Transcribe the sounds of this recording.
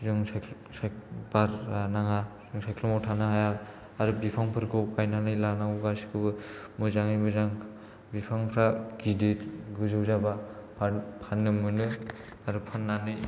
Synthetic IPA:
zɯŋsk | sabaɾanaŋazɯŋsajkʰlɔmɔtʰanaɦaja | aɾubipʰaŋpʰɯɾkʰɯkajnanɯjlanaŋuɡasi̥kʰɯbɯmɯzaŋijmɯzaŋ | bipʰaŋpʰɾaɡidetɡɯzɯwzabapʰapʰanːɯmɯnɯ | aɾupʰanːanɯj

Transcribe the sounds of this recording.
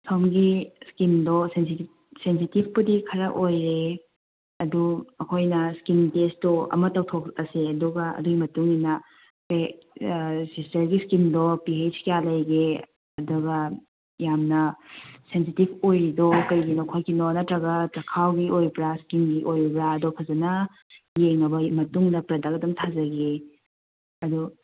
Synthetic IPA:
sʰomɡiskimdɔsensi | sensitib̚ʰʱpɐdikʰɐɾɐʔojɾe | ɐduɐkʰojnɐskintestuɐ̰mɐtɐwtʰok̚ɐseɐduɡɐɐ̰duɡimɐtuŋinɐ | pe | sistɐɾɡiskimdɔpiejd͡ʒkijalɐjɡe | ɐduɡɐ | jamnɐsensitibʰojidɔkɐjɡinokʰojkinɔnɐtɾɐɡɐtɾɐkʰawɡiʔojbɾaskinɡiʔojbɾaɐdɔpʰɐzɐnɐ | jeŋɐbɐmɐtuŋnɐpɾɐdakɐdɐmtʰazɐɡe | ɐdu

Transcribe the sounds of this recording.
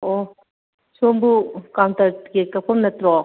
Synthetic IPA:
o | sombukawntɐɾɡekɐpʰɔmnɐtɾɔ

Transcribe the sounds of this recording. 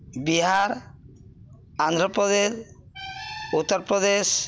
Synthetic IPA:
biɦaɾ | and̪ʱɾɔpɾɔd̪e | ut̪ːɔɾpɾɔd̪es

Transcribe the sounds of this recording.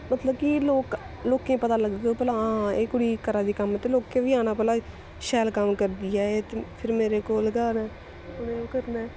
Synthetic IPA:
mət̪ləbkɪloːk | loːkẽːpət̪aːləɡd̪eoːpɛlaːãeːkʊɽiːkəɾaːd̪iːkəmt̪eːloːkẽːʋiːaːñaːpɛlaː | ʃɛːlkəmkəɾd̪iːɛːet̪epʰɪɾmeːɾeːkoːlɡaːnɛː | ʊnẽːokəɾnɛː

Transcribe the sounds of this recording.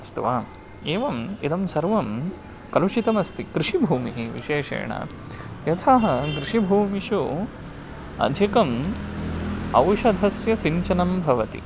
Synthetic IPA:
st̪uʋaːm | eːʋɐmḭd̪ɐmsɐɾʋɐm | kɐluʃit̪ɐmɐst̪ikɾiʂibʱuːmiɦiʋḭʃeːʂɐ̰ːɳɐ̰ | jɐt̪ʰaɦɐɡɾɪʂibʱuːmiʃu | ɐ̰d̪ʱjɐkɐm | ɐ̰wʃɐd̪ʱɐsjɐsiɲt͡ʃɐnɐmbʱɐʋɐt̪ḭ

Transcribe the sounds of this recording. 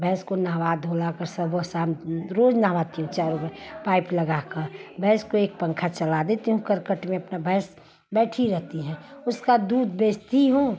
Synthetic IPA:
bʱɛɦskonaːʋaːd̪ʱolakəɾsəbosaːmɾoːd͡ʒnaːʋaːt̪iɦũt͡ʃaːɾupəpaːɪpləɡakəɾbʱɛɦskoeːk̚pə̃ŋkʰat͡ʃəlad̪eːt̪iɦũkəɾkəʈmẽɐpnabʱɛːs | bɛːʈʰiɾɛɦt̪iɦɛ̃ʊskad̪uːd̪beːst̪iɦũː

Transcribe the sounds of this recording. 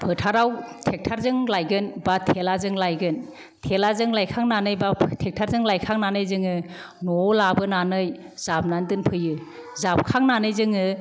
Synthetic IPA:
pʰɯtʰaɾawtʰek̚tʰaɾzɯŋlajɡɯnbatʰelazɯŋlajɡɯn | tʰelazɯŋlajkʰaŋnanɯjbatʰek̚tʰaɾzɯŋlajkʰaŋnanɯjzɯŋɯ | nɔlabɯnanɯj | zap̚nandɯnpʰɯjɯ | zap̚kʰaŋnanɯjzɯŋɯ

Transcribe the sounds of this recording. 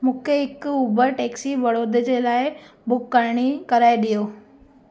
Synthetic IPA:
mũːkʰeɪkʊbəʈeːksiʋɐɽoːd̪ʱd͡ʑelaːɪbʊkːəɾɽ̃ikɐɾaːeɗijoː

